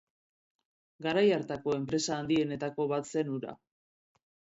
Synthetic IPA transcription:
ɡaɾajaɾt̪ako̞e̞mpɾe̞saːnd̪ie̞ne̞t̪ako̞βat̪se̞nuɾa̰

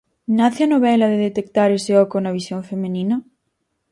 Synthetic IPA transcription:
naθɪanoβɛlɐðeðet̪ekt̪aɾeseɔkonɐβisjõŋfemenĩnɐ

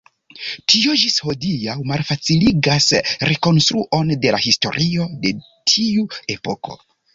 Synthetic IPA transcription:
tʰio̞d͡ʒisho̞dijawmalfat͡siliɡasɾe̞ko̞nstɾuʔo̞nde̞lahisto̞̰ɾʔio̞de̞ | tʰiue̞po̞ko̞̰

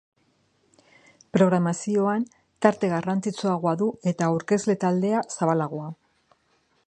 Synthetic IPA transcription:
pɾo̞ɣ̞ɾamasio̞an | t̪aɾt̪e̞ɣ̞arant͡sit͡soaɣoaðue̞t̪awɾke̞zle̞t̪ald̪e̞asaβalaɣ̞oa

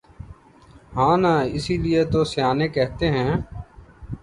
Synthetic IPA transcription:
ɦãːnaːɪsiːlɪet̪oːsɪjaːneːkɛɦt̪eːɦɛ̃ː

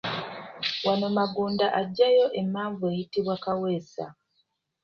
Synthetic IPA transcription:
wano̞maɡuːndaʔaɟːajo̞ʔe̞mːaːɱvue̞jitiβwakawe̞ːsa̰

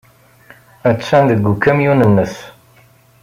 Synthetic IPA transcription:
æt͡sːænðəɡʷːukːæmjunənːəs

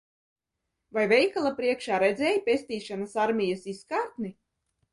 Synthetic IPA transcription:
vajvʲɛjkalˠapɾiɛkʃaːɾɛd̪zɛːjpʲesʲt̪iːʃanasaɾmʲijasiskaːɾt̪ni

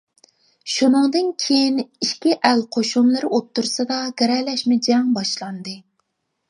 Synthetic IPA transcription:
ʃunɨŋd̪ɨnkʲʰejiniʃkʲiʔælqʰoʃumlˠɨɾɨot̪ʰːuɾsɨd̪ɑɡʲɛɾɛlɛʃmɪd͡ʒɛŋbɑʃlˠɑnd̪ɨ

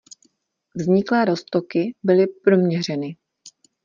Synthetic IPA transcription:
vzɲɪklɛːɾo̞st̪okɪbɪlɪpɾo̞mɲɛr̝ɛnɪ

